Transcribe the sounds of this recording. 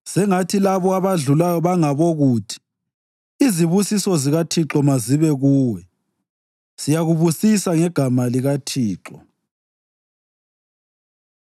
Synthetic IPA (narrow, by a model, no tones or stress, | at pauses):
sɛŋatʰilaβɔaβaɮulajɔβaŋaβoɣuːtʰi̥ | iziβusisɔziɣatʰiǁɔmaziβɛɣuːwɛ | sijaɣuβusisaŋɛɡ̥ʱamaliɣatʰiːǁɔ